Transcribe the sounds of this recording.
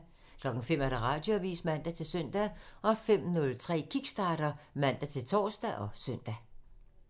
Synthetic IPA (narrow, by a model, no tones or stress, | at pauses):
kʰlɒ̽ɡ̥ŋ̩fem̰æɐɾ̥æʁɑ̈ːd̥joæʋḭːsmæn̰d̥æt͡sʰe̝lsœn̰d̥æʔɒ̽fem̰nɔ̽lt͡sʰʁɛ̰ːkʰiɡ̥sd̥ɑ̈ːɾ̥ɐmæn̰d̥æt͡sʰe̝lt͡sʰɒ̰ːsd̥æʔɒ̽sœn̰d̥æ